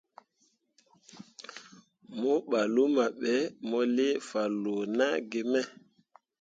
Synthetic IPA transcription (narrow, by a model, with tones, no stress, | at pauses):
mɔ˦ɓa˨lu˦ma˨ɓɛ˨˦mɔ˦le˦fa˨lo˨na˦ɡe˨mɛ˦